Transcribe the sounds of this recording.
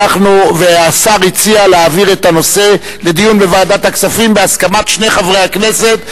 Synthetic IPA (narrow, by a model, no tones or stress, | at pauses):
aχnuveasaʁit͡sialeaːviʁe̞t̪ano̞se̞ | le̞d̪ijunbe̞vaːdat̪haksafimbeaskamat̪ʃne̞χavʁejhakne̞se̞t̪